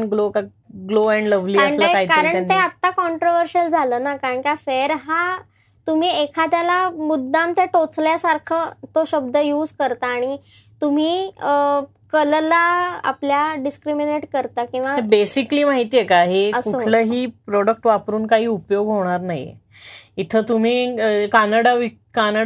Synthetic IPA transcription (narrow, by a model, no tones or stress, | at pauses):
ɡloka | ɡloɛɳɖləʋliaɳlaaitkalɾəɳt̪eatt̪akɔɳʈɾoʋəɾɕəld͡zʱaləːnakaɾəɳkiafeɾɦa | t̪um̤iːekʰat̪jalamud̪ʱːamt̪jaʈot͡sljasaɾkʰət̪oɕəb̚d̪ʱəjuːd͡zkəɾt̪aːɽ̃i | t̪um̤iː | kəllaa̰pljaɖiskɾimineʈkəɾt̪akĩw̃ʋaebesikliːmaɦit̪iːjekaɦeəskuoləːɦiːpɾɔɽək̚ʈʋapɾuːnkaɦiːupjoɡɦoɽ̃aɾnaɦjḛ | it̪ʰəːt̪um̤iːkanaɽaʋi | kana